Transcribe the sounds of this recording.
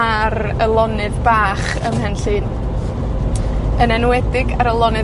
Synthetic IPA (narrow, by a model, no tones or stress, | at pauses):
aɾ | əlˠɔnɨdbaːχ | ə̰mhɛnɬɨːn | ənɛnwɛdɪɡaɾəlˠɔnɨ